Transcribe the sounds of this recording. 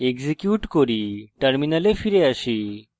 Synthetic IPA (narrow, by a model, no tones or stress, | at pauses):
eɡzikjuʈkoɾiʈaɾminalefʰiɾeaʃi